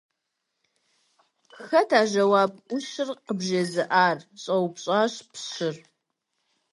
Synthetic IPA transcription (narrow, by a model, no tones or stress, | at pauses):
xɐtʰaːʒɐwaːbʷʊʃɪrqəbʒɐzɨʔaːrɕʼɐwpɕʼaːɕpɕɪr